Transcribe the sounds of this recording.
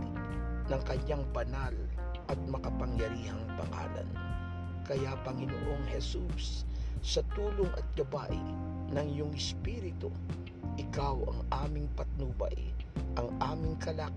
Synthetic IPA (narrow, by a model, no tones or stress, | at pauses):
nɐŋkɐɲaŋbɐnal | ʔɐt̪̚mɐkɐpɐŋjɐɾiːhɐŋpɐ̰ŋa̰ːlɐ̰n | kɐjapɐŋɪno̰ʔo̞ŋhɛsussɐt̪uːloŋɐ̰t̪̚ɡ̥ɐba̰ʔɪ̰ | nɐŋjʊŋɪspiɾɪt̪o̰ | ʔɪkawɐ̰ŋʔaːmɪŋpɐt̪̚nuːbɐ̰jʔɐŋʔaːmɪŋkɐlaː